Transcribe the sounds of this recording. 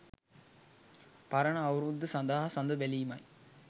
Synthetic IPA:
paɾəɳəːwɾud̪ːəsand̪aːɦɐsand̪əbæliːmɐj

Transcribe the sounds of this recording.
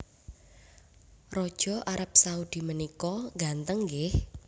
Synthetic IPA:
rɔd̥ʒ̥ɔ̤ʔaɾap̚saud̪̥i̤mənikɔŋɡant̪əŋɡɪh

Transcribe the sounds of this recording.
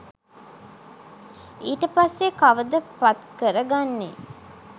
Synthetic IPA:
iːʈəpasːekaʋəd̪əpat̪kəɾəɡanːḛ

